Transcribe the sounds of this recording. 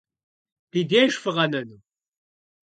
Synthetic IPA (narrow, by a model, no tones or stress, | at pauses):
id̪iæʃfəʁænən